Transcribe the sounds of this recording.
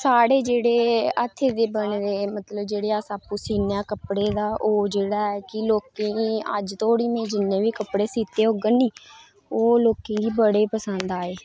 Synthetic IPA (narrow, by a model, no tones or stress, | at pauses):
saːɽeːd͡ʒeːɽeːət̪ʰːeːd̪eːbəɳd̪eːmət̪ləbd͡ʒeːɽeːaːsaːpuːsiːnjaːkəpɽeːd̪aːʔoːd͡ʒeːɽaːɛːkɪloːkẽːə̰d͡ʒt̪ʰoːɽiːmẽːd͡ʒɪnːẽːʋiːkəpɽeːsiːt̪eːɦoːɡəniː | oːloːkẽːɡ̪iːbəɽeːpəsənd̪aːeː